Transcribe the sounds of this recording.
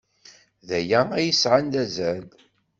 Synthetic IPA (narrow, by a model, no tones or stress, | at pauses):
ðæjææjəsʕand̪æzæl